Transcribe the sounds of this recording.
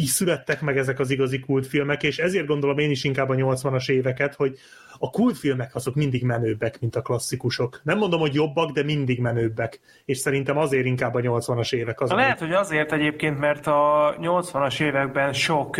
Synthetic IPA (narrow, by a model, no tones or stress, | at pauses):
isylɛt̪ːɛkmɛɡɛzɛkɒziɡɒzikult̪filmɛkeːʃɛzeːrd̪̚ɡo̞nd̪o̞lo̞meːniʃiŋkaːbːɒɲo̞lt̪sʋɒnɒʃeːvɛkɛt̪ho̞ɟ | ɒkult̪filmɛkɒzo̞kmind̪iɡmɛnøːbːɛkmint̪ɒklɒsːikuʃo̞knɛmːo̞nd̪omho̞ɟjo̞bːɒɡd̪ɛmind̪iɡmɛnøːbːɛk | eːʃsɛɾint̪ɛmɒzeːɾiŋkaːbːɒɲo̞lt̪sʋɒnɒʃeːvɛkɒzlɛɦɛt̪ho̞ɟɒzeːrt̪ɛɟeːp̚keːnt̪mɛrt̪ɒɲo̞lt̪sʋɒnɒʃeːvɛɡ̚bɛnʃok